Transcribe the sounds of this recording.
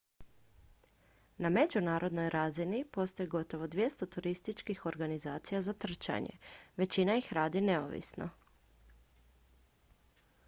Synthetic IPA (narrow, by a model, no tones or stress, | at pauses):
name̞d͡ʑunaːɾo̞d̪no̞jɾʔazinipo̞st̪o̞jiɡo̞t̪o̞ʋo̞d̪ʋje̞st̪o̞t̪uɾist̪it͡ʃkixo̞ɾɡanizaːt̪sijazat̪r̩t͡ʃa̰ɲḛʋe̞t͡ɕinajixɾaːd̪ine̞o̰ʋḭsno̰